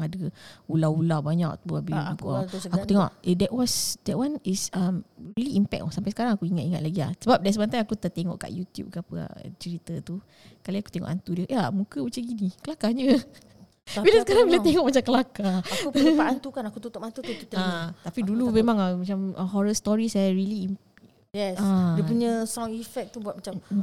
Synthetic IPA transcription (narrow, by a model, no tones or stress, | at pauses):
adəulaulabaɲa̰k̚t̪uabipuaakut̪eŋɔ̰ʔdɛʔwasdɛʔ̚wanisəmriliimpɛ̰k̚ɔsampajsə̥kaɾaŋakuiŋat̪iŋat̪̚laɡia̰hsəbap̚dasəbant̪ajakut̪ət̪eŋɔ̰ʔka̰ʔjut̪jṵp̚kəapəa̰t͡ʃəɾit̪ət̪u | kalaaku̥t̪eŋɔ̰ʔant̪udiəʔamukəut͡ʃəɡinikəlakaɲə | bilasəkaɾaŋbilat̪eŋɔʔ̚mat͡ʃamkəlakaaupkaant̪ukanakut̪ut̪ɔpant̪ut̪uut̪əat̪apidulumemãŋəmat͡ʃamə̰ɦɔɾəst̪ɔɾisajaɾiliim | jɛsadiəpuɲə̃sɔŋifɛk̚t̪ubwat̪̚mat͡ʃa